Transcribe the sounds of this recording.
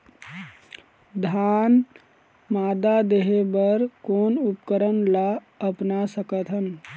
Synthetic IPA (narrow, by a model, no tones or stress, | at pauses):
d̪ʱaːn | maːd̪ad̪eɦebəɾkoːnʊpkəɾənla | əpnasəkət̪ɦən